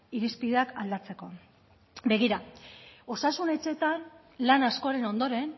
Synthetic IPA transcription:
iɾispiðe̞akald̪at͡se̞ko̞ | be̞ɣ̞iɾao̞sasune̞t͡ʃe̞t̪an | lanasko̞aɾe̞no̞nd̪o̞ɾe̞n

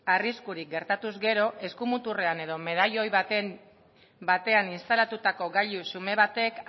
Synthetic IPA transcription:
ariskuɾik̚ɡe̞ɾt̪at̪uzɡe̞ɾo̞ʔe̞skumut̪ure̞ane̞ð̞ome̞ð̞ajo̞j | bat̪e̞aninst̪alat̪ut̪ako̞ɡaʎusume̞β̞at̪e̞k

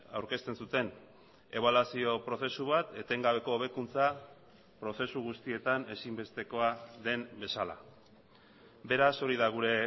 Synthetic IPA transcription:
a̰wɾke̞st̪e̞nsut̪e̞n | e̞β̞alasio̞pɾo̞se̞suβat̪e̞t̪e̞ŋɡaβ̞e̞ko̞ːβe̞kunt͡sa | pɾo̞se̞suɣust̪ie̞t̪ane̞simbe̞st̪e̞ko̞aðe̞mbe̞sala̰ | be̞ɾaso̞ɾiðaɣ̞uɾe̞

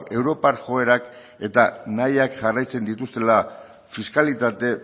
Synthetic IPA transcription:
e̞wɾo̞paɾʝo̞e̞ɾak | e̞t̪anajakʝarajt͡se̞nd̪it̪ust̪e̞la | fiskalit̪at̪e̞

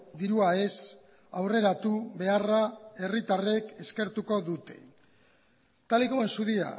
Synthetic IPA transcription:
d̪iɾuae̞s | awre̞ɾat̪uβe̞arae̞rit̪are̞ke̞ske̞ɾt̪uko̞ðut̪e̞̰ | t̪alikoensuðia̰

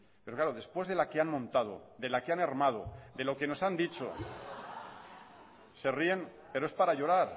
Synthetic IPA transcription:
pe̞ɾoklaɾoðe̞spwe̞zðe̞lakeanmõ̞nt̪að̞o̰d̪e̞lakeanaɾmað̞o̞̰d̪e̞lo̞ke̞no̞sand̪it͡ʃo̰ | se̞rie̞n | pe̞ɾoe̞spaɾaʝo̞ɾaɾ

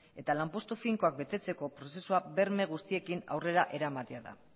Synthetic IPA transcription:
e̞t̪alampo̞st̪ufiŋko̞ak̚be̞t̪e̞t͡se̞ko̞pɾo̞se̞suabe̞ɾme̞ɣ̞ust̪ie̞kina̰wre̞ɾaʔe̞ɾamat̪e̞aða̰

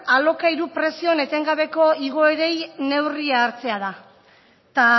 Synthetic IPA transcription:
alo̞kaiɾupɾe̞sio̞ne̞t̪e̞ŋɡaβ̞e̞ko̞iɣo̞eɾe̞jne̞wriaːɾt͡se̞aða | t̪a

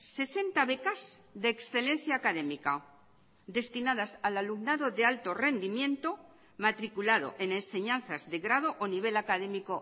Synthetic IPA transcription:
se̞se̞nt̪aβe̞kazðeːksθe̞le̞n̟θjaːkaðe̞mika | d̪e̞st̪inaðasalalumnaðo̞ðealt̪o̞re̞nd̪imjẽ̞nt̪o̞ | mat̪ɾikulaðo̰ʔe̞nẽ̞nse̞ɲãn̟θazðe̞ɣɾað̞oʔoniβ̞e̞lakaðe̞miko

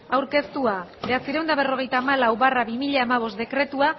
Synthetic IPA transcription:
awɾke̞st̪uabeat͡siɾewnd̪aβ̞e̞ro̞ɣ̞e̞jt̪aːmalawβaraβimiʎaːmaβ̞o̞st̪d̪e̞kɾe̞t̪ua

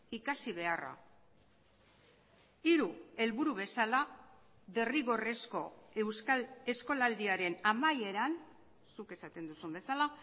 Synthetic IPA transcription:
ikasiβ̞e̞ara̰ | iɾue̞lβuɾuβ̞e̞sala | ðe̞riɣo̞re̞sko̞wse̞sko̞lald̪iaɾe̞namaje̞ɾan | suke̞sat̪e̞nd̪usumbe̞sala

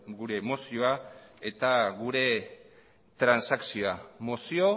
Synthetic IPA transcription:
ɡuɾe̞ːmo̞sioae̞t̪aɣuɾe̞ | t̪ɾansaksioamosio̞

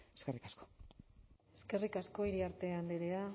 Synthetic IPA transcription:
eskerikasko̥ | e̞ske̞rikasko̞iɾiaɾt̪e̞and̪eɾea

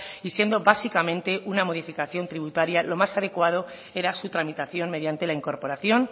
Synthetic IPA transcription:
isje̞nd̪o̞βasikamẽnt̪e̞ʔunamo̞ð̞ifikaθjo̞nt̪ɾiβ̞ut̪aɾjalo̞masaðe̞kwað̞o | e̞ɾasut̪ɾamit̪aθjo̞nme̞ðjant̪e̞laiŋko̞ɾpo̞ɾaθjo̞n

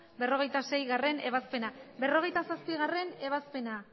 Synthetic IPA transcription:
be̞ro̞ɣ̞e̞jt̪ase̞jɣare̞ne̞β̞aspe̞nabe̞ro̞ɣ̞e̞jt̪asaspiɣare̞ne̞βaspe̞na

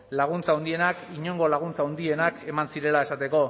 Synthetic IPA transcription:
laɣ̞unt͡saond̪ie̞nakiɲo̞ŋɡo̞laɣ̞unt͡saund̪ie̞nake̞mansiɾe̞lae̞sat̪e̞ko̞

